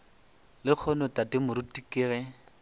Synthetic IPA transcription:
lɪk͡xʰɔnɔtatɪmʊɾʊtikʼɪːɣɛ

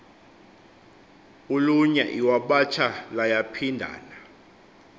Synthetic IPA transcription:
uluɲa̰ʔiwaɓat͡ʃʰalajapʰindʱa̰ːna

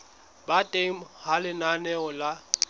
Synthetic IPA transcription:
batʼemhalɪnanɛɔla

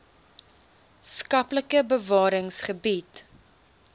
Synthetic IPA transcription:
skɐpləkəbəvɑːɾəŋsχəbit

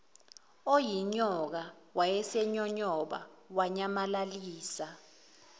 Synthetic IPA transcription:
ojiɲɔk̬a | wajɛsɛɲɔɲɔɓa̰waɲamalaliːsa

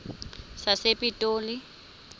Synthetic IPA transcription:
sasepʼitʼoːli

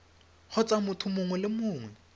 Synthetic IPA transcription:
χʊt͡sʼamʊtʰʊmʊŋwɛlɪmʊːŋwɛ

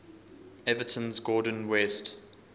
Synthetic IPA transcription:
ɛvətʰə̃nzɡɔːdə̃nwɛst

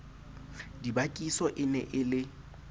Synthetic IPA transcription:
dibakʼisɔʔɪnɛʔɪlɪ

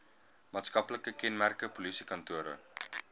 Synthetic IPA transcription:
maːtskɐpləkəkɛnmærkəpolisikɐntuəɾə̰

